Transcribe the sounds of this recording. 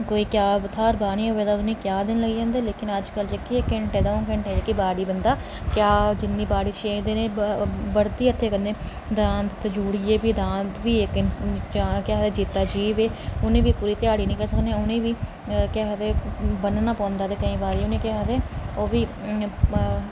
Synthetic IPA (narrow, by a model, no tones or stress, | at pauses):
koːiːkjaːbt̪ʰaːɾbaːñĩːoːʋeːd̪aːʊnẽːkjaːd̪ɪnləɡiːd͡ʒãːnd̪eːleːkɪnəd͡ʒkəld͡ʒekːieːkɛɳʈɛːd̪aːokɛɳʈɛːd͡ʒeːkibaːɽiːbənd̪aː | kjaːd͡ʒɪnːiːbaːɽiːʃeːd̪eːnẽːbəɽd̪iːət̪ʰːeːkəɾnẽː | d̪aːnt̪t̪ːd͡ʒuːɽieːbiːd̪ãːnt̪ʋiːekn | kjaːɦt̪eːd͡ʒiːt̪ːaːd͡ʒiːʋeːʊnẽːʋiːpuːɾiːt̪ɪjaːɽiːnəĩːkəɾsəkneʊnẽːʋiː | kjaːt̪eːbənnaːpɔ̃ːnd̪aːt̪eːkəĩːbaːɾiːʊnẽːkjaːt̪eːoːʋiː